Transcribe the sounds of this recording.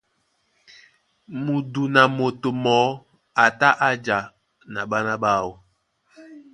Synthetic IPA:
mu˨du˨na˨mo˨to˨mɔ˨˦ | a˨ta˦ʔa˦d͡ʒa˨ | na˨ɓa˦na˦ɓa˦˨wɔ˨

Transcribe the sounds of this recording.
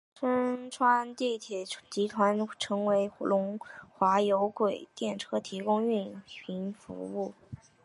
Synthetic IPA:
ʈ͡ʂʰə˥nʈ͡ʂʰwa˥nt̪i˥˩t̪ʰjɛ˨˩t͡ɕi˧˥t̪ʰwa˧˥nʈ͡ʂʰɤ˧˥ŋwe˧˥ɪlʊ˧˥ŋxwa˧˥jo˧˥ʊkwe˨˩ɪt̪jɛ˥˩nʈ͡ʂʰɤ˥t̪ʰi˧˥kʊ˥ŋy˥˩npʰi˧˥nfṵ˧˥u˥˩

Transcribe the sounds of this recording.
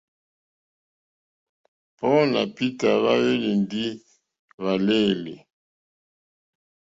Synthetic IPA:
pɔ˦na̰˨pi˦ta˨βa˦je˦li˨ndi˦ | βa˨le˦˨le˨

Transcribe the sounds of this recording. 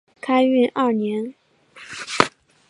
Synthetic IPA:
kʰa˥ɪy˥˩nʔa˥˩njɛ˧˥n

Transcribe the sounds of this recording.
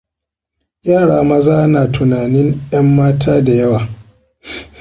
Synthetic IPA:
jaː˦˨ɽaː˨˦mɐ˦zaː˦naː˨tʊ˨naː˨nɪ˦ŋjɐ˦mːaː˦tʰaː˦da˨jɐ˦waː˨

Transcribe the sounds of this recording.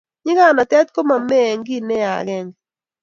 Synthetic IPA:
ɲɪ˦ɡa˦˨na˨tɛ˦t̪̚ko˦ma˨mɛ˦˨ŋɡi˦˨nɛ˦a̰˨ɾɛ˦ŋ

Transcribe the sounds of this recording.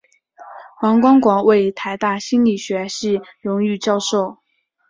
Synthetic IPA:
wɑ˧˥ŋkwɑ˥ŋkwɑ˨˩ŋwe˥˩ɪt̪ʰa˧˥ɪt̪a˥˩ɕi˥nli˨˩ɕɥɛ˧˥ʂɻ̩˥˩ɻʊ˧˥ŋy˥˧t͡ɕjɑ˥˧ʊʂo˥˩ʊ

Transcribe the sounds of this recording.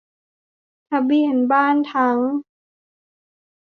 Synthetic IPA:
t̪ʰa˧bi˧˩ənbaː˥˩˨nt̪ʰa˦˥ŋ

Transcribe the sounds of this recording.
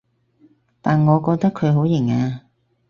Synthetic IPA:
t̪aː˨nŋɔː˨˧kɔː˧k̚t̪ɐ˥kʰɵ˨˧ɥɦo˨˥wjɪ˨˩ŋaː˧

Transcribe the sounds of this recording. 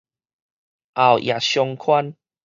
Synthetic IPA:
ʔa˨wʔj̰a˨˩ɕjɔ˧ŋkʰwa˦n

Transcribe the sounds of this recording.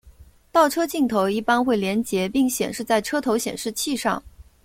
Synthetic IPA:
t̪ɑ˥˩ʊʈ͡ʂʰɤ˥t͡ɕi˥˩ŋt̪ʰo˧˥ʊi˥˩pa˥nxwe˥˩ɪljɛ˧˥nt͡ɕjɛ˧˥pi˥˩ŋɕjɛ̰˨˩nʂɻ̩˥˧t͡sa˥˩ɪʈ͡ʂʰɤ˥t̪ʰo˧˥ʊɕjɛ˨˩nʂɻ̩˥˧t͡ɕʰi˥˧ʂɑ̰˥˩ŋ

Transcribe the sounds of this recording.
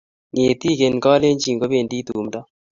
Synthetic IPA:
ŋe˨ti˦ke˨nkɔ˦le˦ɲd͡ʒi˨ŋɡo˦be˨ndi˦tuː˨mdɔ˦

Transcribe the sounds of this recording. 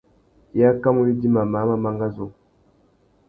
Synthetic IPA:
a˦ka˦mu˦ji˦di˦ma˨ma˨˦ma˨ma˦ŋɡa˦zo˦

